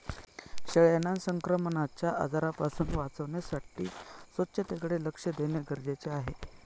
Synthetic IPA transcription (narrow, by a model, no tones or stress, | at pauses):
ɕəɭjenansəŋkɾəmənat͡ɕjaʔəd͡zaɾapasuːnʋat͡səʋɳjasaʈḭːsʋət̪ːɕət̪ekɽeləkʂəd̪eɳjaɡəɾd͡ʑet͡ɕeaɦe